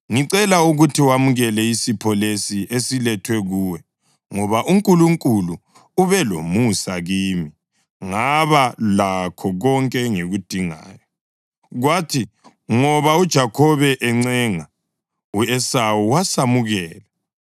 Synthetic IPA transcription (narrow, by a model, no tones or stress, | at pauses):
ŋiǀɛlauɣutʰiwamuɣɛlɛisipʰɔlesiʔesilɛtʰwɛɣuːwɛ | ŋɔβaʔuŋkʼuluŋkʼulu | uβɛlo̰musaɣiːmi | ŋaβalakʰɔɣɔŋkʼɛŋeɣud̥ʱiŋa̰ːjɔ | ɣwatʰi | ŋɔβaud̥ʒ̥ʱakʰɔβɛʔɛŋ͡ǀɛŋa | uɛsawuwasamuɣɛːla